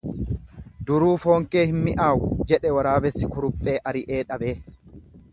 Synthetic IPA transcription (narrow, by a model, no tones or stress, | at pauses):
d̪ʊɾuːfo̞ːŋke̞ːhɪnmɪʔaːwd͡ʒɛᶑɛwɐɾaːbɛsːɪkʊɾʊpʼːe̞ːʔɐɾɪʔeːᶑɐbeː